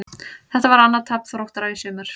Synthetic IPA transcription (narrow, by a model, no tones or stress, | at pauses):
θɛht̪avaɾanːaðt̪ʰɛpn̥fɾowht̪aɾaisœːmʏɾ̥